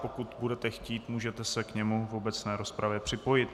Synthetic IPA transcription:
po̞kut̪budɛt̪ɛxciːt̪muːʒɛt̪ɛsɛkɲɛmuvo̞bɛt͡snɛːɾo̞spɾavjɛpr̝̥ɪpo̞jɪt̪

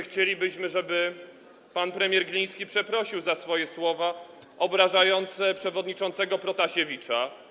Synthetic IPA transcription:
xt͡ɕelʲibɘɕmɘʐɛbɘ | panpɾɛmʲjɛɾɡlʲij̃skʲipʂɛpɾɔɕiwzasfɔjɛswɔva | ʔɔbɾaʐajɔnt̪sɛpʂɛvɔd̪ɲit͡ʂɔnt̪sɛɡɔpɾɔt̪aɕevʲit͡ʂa

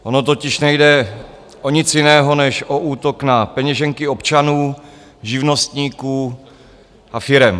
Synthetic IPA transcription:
ʔo̞not̪ocɪʃnɛjdɛ | ʔoɲɪt͡sjɪnɛːɦo̞nɛʃʔo̞ʔuːt̪o̞knapɛɲɛʒɛŋkɪopt͡ʃanuː | ʒɪvno̞st̪ɲiːkuː | ʔafɪɾɛm

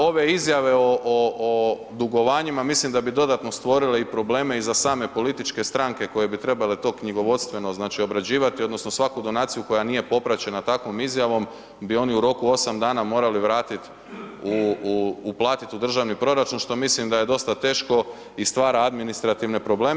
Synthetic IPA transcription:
o̞ʋe̞izjaʋe̞oʔo | d̪uɡo̞ʋaːɲimamislimd̪abid̪o̞d̪at̪no̞st̪ʋo̞ɾileipɾo̞ble̞ːme̞izasaːme̞po̞lit̪it͡ʃke̞st̪ɾaŋke̞ko̞je̞bit̪ɾe̞balet̪o̞ːkɲiɡo̞ʋo̞t̪st̪ʋe̞no̞znaːt͡ʃio̞bɾad͡ʑiːʋat̪iod̪no̞sno̞sʋakud̪o̞naːt̪sijuko̞janije̞po̞pɾat͡ɕe̞nat̪akʋo̞mizjaʋo̞m | bio̞niuɾo̞kuo̞samd̪aːnamo̞ːɾaliʋɾaːt̪it̪ | uː | plˠaːt̪it̪ud̪r̩ʒaʋnipɾo̞ɾat͡ʃunʃt̪o̞mislimd̪aje̞d̪o̞st̪at̪e̞ːʃko̞ | ist̪ʋaːɾaad̪minist̪ɾat̪iʋne̞pɾo̞ble̞ːm

